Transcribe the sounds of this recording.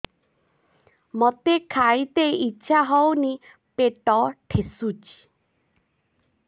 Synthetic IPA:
mot̪ekʰajt̪ejitːʃʰaɦɔwni | peʈɔʈʰesut͡ʃʰi̥

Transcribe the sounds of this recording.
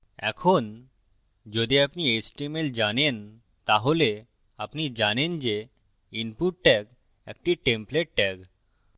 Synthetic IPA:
ɛ̰kʰon | d͡ʒod̪iapniesʈimeld͡ʑanen | t̪aɦole | apnid͡ʑanend͡ʑe | inpuʈʈɛk | ɛ̰k̚ʈiʈempleʈ̚ʈɛk

